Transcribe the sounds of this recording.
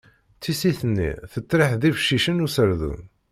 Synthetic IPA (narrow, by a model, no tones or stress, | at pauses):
t͡sːisiθənːḭθət̪ˤːɾiħðifʃiʃənusəɾðṵn